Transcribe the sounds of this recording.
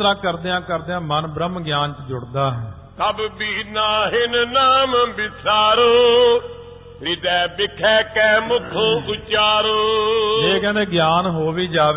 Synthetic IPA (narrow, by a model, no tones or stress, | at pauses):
ɾãːkəɾd̪eːãːkəɾd̪eːãːmənbɾəmɡjaːnt͡ʃd͡ʒʊɽd̪aːɦɛː | t̪əbbiːnãːɦɪnnaːmbɪsʰaːɾoː | ɾɪd̪ɛːbɪkʰɛːkɛːmʊkʰoːʊt͡ʃaːɾoːd͡ʒeːkɛ̃ːeːɡjaːnɦoːʋiːd͡ʒaːʋ